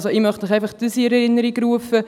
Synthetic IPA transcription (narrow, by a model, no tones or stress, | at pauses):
soɪmœχtmɪχaɪfɑχd̥əsiɛɾɛɾɪnːəɾiɡɾuəfə